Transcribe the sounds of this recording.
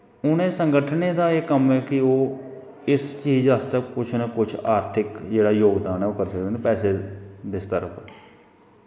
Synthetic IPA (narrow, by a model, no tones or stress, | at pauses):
ʊnẽːsəŋɡəʈʰənẽːd̪aːeːkəmɛːkɪoː | ɪst͡ʃiːzast̪əkʊt͡ʃʰnekʊt͡ʃʰaːɾt̪ʰɪkd͡ʒeːɽaːjoːɡd̪aːnɛːʊːkəɾsək̚d̪ẽnepɛːseːd̪ɪst̪əɾəpʰ